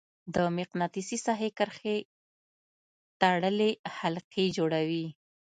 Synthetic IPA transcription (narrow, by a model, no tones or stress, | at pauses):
d̪əmɪqnɑt̪isisɑɦekəɾxe | t̪aɽəlehalqʰed͡ʒoɽawi